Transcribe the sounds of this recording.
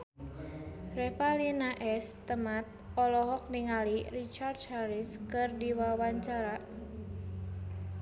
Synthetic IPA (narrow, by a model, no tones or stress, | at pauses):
rɛfalinaʔɛst̪əmat̪̚ɔlɔɦɔk̚niŋalirit͡ʃardhaɾiskɨrdiwawaɲt͡ʃaɾa